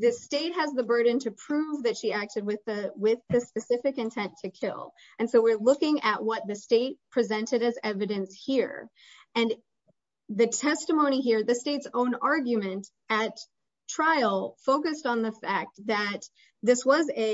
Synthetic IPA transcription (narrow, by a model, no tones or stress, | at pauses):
ðɨsteɪt̚hɨzðɨbɜ˞dⁿn̩tʰɨpʰɹ̥ʉvðɨtʃiæk̚tɨd̚wɨðɨwɪðɨspɨsɪfɨkɨ̃ntʰɛ̃ntʰɨkʰɪ̰lˠ | ɨ̃nsoʊwɪɹlʊkɪ̃ŋʔɨʔ̚wʌt̪̚ðɨsteɪt̚pʰɹ̥izɛ̃ntɨɾɨzɛvɨɾɨ̃nshiɹ | ɨ̃n | ðɨtʰɛstəmõʊ̃ñiɦiɹðɨsteɪtsõʊ̃nɑɹɡjɨmɨ̃nt | ɨt | tʰɹ̥aɪl̩ˠfoʊkɨstn̩ðɨfæk̚t̪̚ðɨt̪̚ | ðɪswʌzɨ